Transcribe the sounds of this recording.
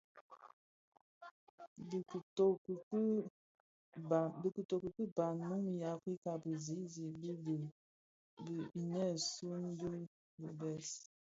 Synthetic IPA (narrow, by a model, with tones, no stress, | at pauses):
bo˨˦˨ | bi˨kə˨to˨kə˨kə˦ba˨nu˦ŋ˨ja˨fi˦ka˨bə˨zi˨˦zi˨bi˦˨ | bə˨i˨nɛ˦su˦n˦də˦ | bu˨bɛ˦˨s